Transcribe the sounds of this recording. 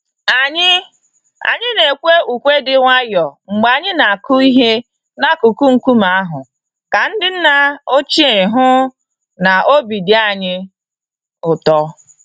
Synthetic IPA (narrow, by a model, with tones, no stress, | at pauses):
a˨ɲɪ˦ | a̰˨ɲɪ˦ne˨kʷe˦u˨kʷe˦dɪ˦ŋʷa˦jɔ˨ŋ͡m̩˨ɡ͡ba˨ɲɪ˦na˨a˨kʊ˦i˦ɦe˦ | na˦ku˨ku˦ŋ̩˨ku˦ma˨a˦ɦʊ˨ | ka˨n̩˦dɪ˦n̩˦na˦o˦t͡ʃi˦e˨ɾɪ˨ɦʊ˦ | na˨o˦bi˨di˨˦a˦˨ɲɪ˦ | ʊ˨tɔ˦